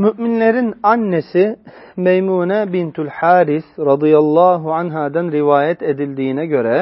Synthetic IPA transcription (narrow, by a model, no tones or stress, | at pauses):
myʔminleɾinanːesimejmuːnɛbint̪ʰulħaːɾisɾɑd̪ijalˠːɑːɦuʕanɦad̪anɾivaːjɛt̪ʰed̪ilʲd̪iːnɛɟø̞ɾɛ